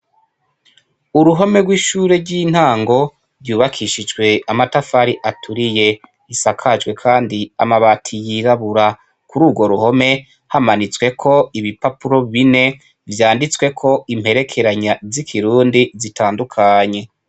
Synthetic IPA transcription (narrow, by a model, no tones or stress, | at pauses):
uɾuɦo̞me̞ɡwiːʃuːɾe̞ɾɡiːn̥haːŋɡo̞ | ɾɟuːβakʰiʃid͡ʒɡwe̞amatafaɾiʔatʰuɾije̞ | isakʰad͡ʒɡwe̞kʰaːndia̰maβatʰijiɾaβuɾa | kuɾuːbɡo̞ɾuho̞me̞ | hamanit͡swe̞kʰo̞iβipapuɾo̞βine̞ | vjaːndit͡swe̞kʰo̞im̥he̞ɾe̞kʰe̞ɾaɲazikʰiɾuːndizitʰaːndukʰaɲe̞